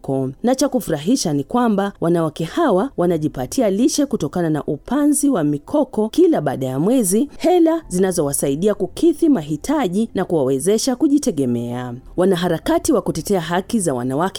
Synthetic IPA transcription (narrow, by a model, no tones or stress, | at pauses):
ɔnat͡ʃakufuɾaɦiʃanikwambawanawakɛhawawanaʄipatʰialiʃɛkutɔkanana̰ʔupanziwamikʰɔkɔkilaɓaːɗajamwɛzihɛlazinazɔwasaiɗiakukʰiθimaɦitʰaʄinakuwawɛzɛʃakuʄitɛɠɛmɛawanaɦaɾakatiwakutɛtɛaɦakizawa̰nawak